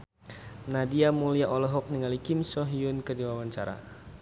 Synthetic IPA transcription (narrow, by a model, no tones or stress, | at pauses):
nadiamuliaʔɔlɔɦɔk̚niŋalikɪmsɔɦiunkədiwawaɲt͡ʃaɾa̰